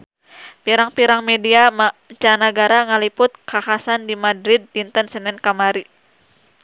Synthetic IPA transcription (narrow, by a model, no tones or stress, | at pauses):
piɾaŋpiɾaŋmediamat͡ʃanaɡaɾaŋalipʊt̪̚kakasandimadɾɪd̚lint̪ənsənɛnkamaɾi